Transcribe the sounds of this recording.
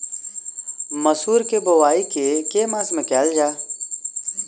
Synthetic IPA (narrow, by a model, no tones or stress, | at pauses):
məsuːɾkeːboʋaːiːkeːkeːmaːsmekɛːld͡ʒaː